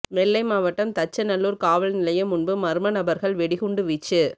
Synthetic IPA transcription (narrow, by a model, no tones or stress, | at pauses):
mɛlːɐɪmaːʋɐʈːɐmt̪ɐt͡ʃːɐnɐlːuːɾkaːʋɐlnɪlɐjɐmʊnbɯmɐɾɯmɐnɐbɐɾɣɐɭʋɛɽɪɣʊɳɖɯʋit͡ʃːɯ